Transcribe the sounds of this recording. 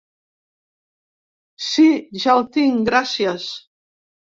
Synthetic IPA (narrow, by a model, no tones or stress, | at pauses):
siʒalˠt̪iŋɡɾasjas